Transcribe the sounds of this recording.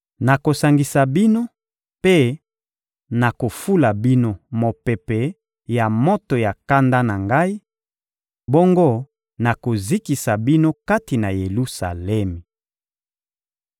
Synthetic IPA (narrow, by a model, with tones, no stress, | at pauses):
na˨ko˨sa˨ŋɡi˨sa˨bi˦no˦ | pe˦ | na˨ko˨fu˦la˨bi˦no˦mo˨pɛ˨pe˨ | ja˨mo˦to˨ja˨ka˦nda˦na˨ŋɡa˦i˦ | bo˦ŋɡo˦ | na˨ko˨zi˦ki˨sa˨bi˦no˦ka˦ti˨na˨je˨lu˦sa̰˨lɛ˦mi˨